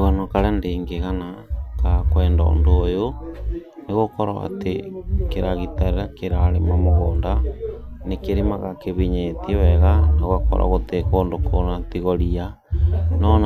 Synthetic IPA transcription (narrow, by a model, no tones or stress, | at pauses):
ɣanakaɾɛandeːŋɡeɣanakakwɛːndɔ̰o̰ndoojo | neɣokɔɾaa̰tekeɾaɣitaɾeɾakeɾaɾemamoɣoːndanekeɾemaɣakeβiɲetewɛɣanoɣakɔ̰ɾa̰ɣotekoːndokʰonatiɣoɾia | nɔn